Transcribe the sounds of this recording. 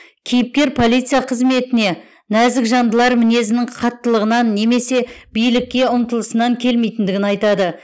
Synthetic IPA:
kʲʰijɪp̚kʲe̞ɾpʰo̞lˠijt̪sɨjɑqʰəzme̞t̪ɪne̞ | næzɪkʒɑnd̪əlˠɑɾmɪne̞zɪnɪɴqʰɑt̪ːəlˠəʁənɑnːe̞me̞se̞b̥ijlɪkʲːe̞ʊmt̪əlˠəsənɑŋkʲʰe̞lme̞jt̪ɪnd̪ɪɡʲɪnɑjt̪ɑd̪ə

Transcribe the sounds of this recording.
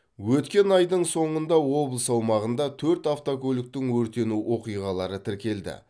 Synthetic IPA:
wɵt̪kʲe̞nɑjd̪əɴso̞ɴənd̪ɑwo̞blˠəsɑwmɑʁənd̪ɑt̪ʰɵɾt̪aft̪okolʲɪk̚t̪ɪŋwɵɾt̪e̞nuwo̞qijʁɑlˠɑɾət̪ʰɪɾkʲe̞ld̪ɪ̰

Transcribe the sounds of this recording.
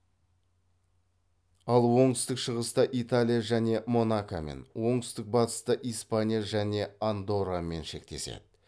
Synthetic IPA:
ɑlˠwo̞ɴt̪ʏ̥st̪ɪkʃəʁəst̪ɑʔit̪alʲijaʒæne̞mo̞nakamḛnwo̞ɴt̪ʏst̪ɪk̚bɑt̪ə̥st̪əʔijspanʲijaʒæne̞and̪oɾame̞nʃe̞kt̪e̞se̞̰d̪̥ɪ

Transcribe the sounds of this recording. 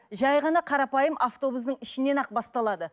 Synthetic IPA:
ʒɑjʁɑnɑqʰɑɾɑpɑjəmʔaft̪o̞busd̪əɴɪʃɪne̞nɑq̚bɑst̪ɑlˠɑd̪ə

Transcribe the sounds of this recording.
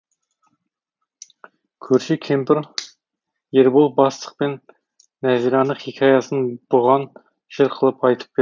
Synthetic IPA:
kʲʰɵɾʃɪkʲʰempɪɾ | jeɾbolˠbɑst̪ʰə̥q̚penː | æziɾɑnəχikʲʰɑjɑsənb̥ʊʁɑn | ʃɪɾqʰəlˠəpɑjt̪ʰə̥p̚be

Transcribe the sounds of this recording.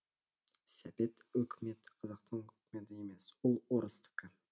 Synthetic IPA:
sæbe̞t̪ɵkʲʰɪme̞t̪ɪqʰɑzɑq̚t̪əɴɵ̥kʲɪme̞t̪ɪe̞me̞swʊlˠwoɾəst̪ʰɪ̥kʲɪ

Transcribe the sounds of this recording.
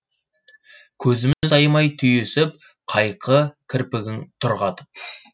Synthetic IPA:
kʲʰɵzɪmɪɪzɑjmɑjt̪ʰʏjesɪp̚ | qʰɑjqʰəkʲʰɪɾpɪɡʲɪŋt̪ʰʊɾʁɑd̪ə

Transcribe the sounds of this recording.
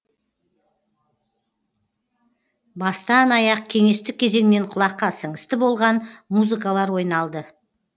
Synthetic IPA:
bɑst̪ɑnɑjɑq̚kʲʰe̞ŋe̞st̪ɪk̚ʲʰːe̞ze̞ŋɪne̞ɴqʰʊlˠɑqːɑsəŋəst̪ɪbo̞lˠʁɑnmuzɨkalˠɑɾwo̞jnɑlˠd̪ə

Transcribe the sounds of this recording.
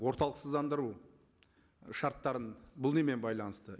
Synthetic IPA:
wo̞ɾt̪ɑlˠəqsəzd̪ɑnd̪əɾu | ʃɑɾt̪ːɑɾənbʊlˠneme̞nbɑjlˠɑnəst̪ə

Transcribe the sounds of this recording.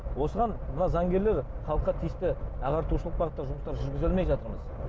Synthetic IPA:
wo̞səʁɑnmənɑzɑŋɡʲe̞ɾle̞ɾ | χɑlˠəqːɑt̪ʰijɪst̪ɪɑʁɑɾt̪uʃəlˠəq̚bɑʁət̪ːɑʒʊməst̪ɑɾʒʏɾɡʲɪzelmejʒɑt̪əɾməz

